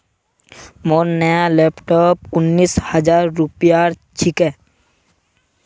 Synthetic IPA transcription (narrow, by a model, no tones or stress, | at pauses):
monːɛalɛpʈop̚unːishad͡ʑaɾːupijaɾ | t͡ɕʰike